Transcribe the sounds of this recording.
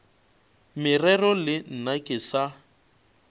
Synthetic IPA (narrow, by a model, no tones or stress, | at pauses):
mɪrɛrɔlɪn̩nakʼɪsa